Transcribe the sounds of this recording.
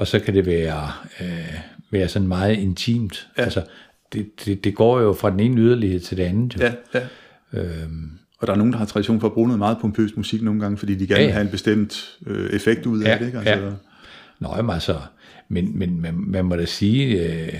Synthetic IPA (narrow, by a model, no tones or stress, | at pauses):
ɒ̽sɒ̽kʰæd̥e̝ʋæːɐøʋæːɐsɒ̽nmɑ̈ːð̞̩ˠe̝nt͡sʰḭːmd̥ælsɒ | d̥e̝d̥e̝d̥e̝ɡ̥ɒ̰ːjo̝fʁɑ̈d̥ene̝ːnəyð̞ˠɐlihe̝ð̞̰ˠt͡sʰe̝ld̥e̝ænð̩ˠjo | ø | ɒ̽ɾ̥ɑ̈æɐno̝ːnd̥ɑhɑ̈t͡sʰʁɑd̥iɕo̝̰ːnfɒ̽b̥ʁoːnəð̩ˠmɑ̈ːð̞̩ˠpʰɔ̽mpʰø̰ːsmusiɡ̥no̝ːn̩ɡɑ̈ŋəfɒ̽d̥ḭːd̥iɡ̥æɐnehæenb̥e̝sd̥em̰d̥øefeɡ̥̚d̥uð̞̰ˠæd̥eeɡ̥ææ | nɒmælsɒ | menmenmænmænmɒɾ̥æsiː